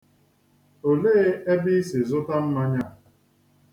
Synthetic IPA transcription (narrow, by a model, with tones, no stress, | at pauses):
o˨le˦e˦bi˦sɪ˨zʊ˦ta˦m̩˦ma˦ɲa˦˨